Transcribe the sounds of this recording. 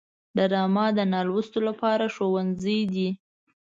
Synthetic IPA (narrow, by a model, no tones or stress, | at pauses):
d̪əɾɑmɑd̪ənɑlwəst̪olapɑɾaʃowanzəjd̪i